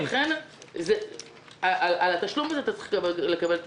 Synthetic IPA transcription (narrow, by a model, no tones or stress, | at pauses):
χenze | aʔalʔalat̪aʃlumazeat̪at͡sʁi̥le̞kabelt